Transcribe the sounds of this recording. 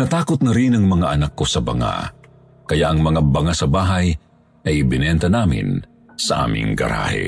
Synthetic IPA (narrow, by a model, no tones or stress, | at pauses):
nɐt̪aːkot̪̚nɐɾinɐŋmɐŋaʔɐnakːosɐbɐ̰ŋa̰ | kɐjaʔɐŋmɐŋabɐŋasɐbaːɦɐj | ʔɐjɪbɪnɛnt̪ɐnaːmɪ̰n | sɐʔa̰ːmɪ̰ŋɡɐ̰ɾa̰ːhɛ̰